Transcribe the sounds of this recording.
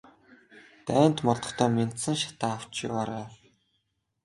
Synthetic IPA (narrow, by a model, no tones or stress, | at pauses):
t̪æːn̥t̪mɔɮɞ̆χt̪ʰœːmen̥t̪sɘ̆ŋʃḁt̪aːaw̥t͡ɕḭaːɾæː